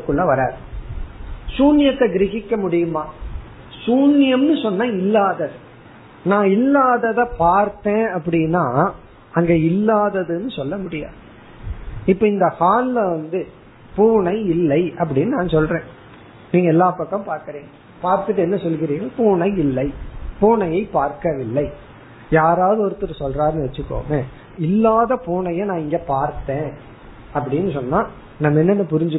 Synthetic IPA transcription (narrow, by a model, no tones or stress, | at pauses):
ɯkːɯɭːɐʋɐɾaːðɯ | suːnɪjɐt̪ːɐɡɪɾɪɣɪkːɐmʊɽɪjɯmaː | suːnɪjɐmnɯsɔnːɐɪlːaːðɐðɯ | nãːɪlːaːðɐðɐpaːɾt̪ẽːɐpːɐɽɪnːaː | ɐŋɡeːɪlːaːðɐðɯnːɯsɔlːɐmʊɽɪja̰ːðɯ | ɪpːɐɪnd̪ɐhaːlɪlɐʋɐnd̪ɯ | puːɳɐɪɪlːɐɪɐp̬ːɐɽɪnːɯnaːnsɔlrẽː | niːŋɡɐɛlːaːpɐkːɐ̃mpaːɾkɪɾiːŋɡɐ | paːɾt̪ɯʈ̬ːɯɛnːɐsɔlːɯɣɪɾiːŋɡɐpuːnɐɪɪlːɐɪpuːɳɐjɐɪpaːɾkɐʋɪlːɐɪ | jaːɾaːʋðɯɔɾɯt̪ːɯɾɯsɔlraːɾnɯʋɛt͡ʃːɯkːo̰ːmẽː | ɪlːaːðɐpuːɳɐjɐnãːɪŋɡeːpaːɾt̪ːẽː | ɐpːɐɽɪnːɯsɔnːaː | nɐmːɐɛnːɛnːɯpʊɾɪɲd͡ʒɯ